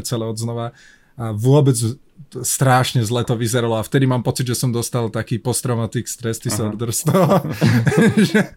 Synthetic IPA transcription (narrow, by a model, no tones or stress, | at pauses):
t͡sɛlɛɔd̪znɔʋa | aʋʊɔbɛd͡z | st̪ɾaːʃɲɛzlɛːt̪ɔʋizɛɾalɔaft̪ɛd̪imaːmpɔt͡sid̪ʒɛsɔmd̪ɔst̪alˠt̪akiːpɔst̪ɾɔmat̪iːkst̪ɾɛst̪isɔɾd̪ɾst̪ɔɦɔ | ʒɛ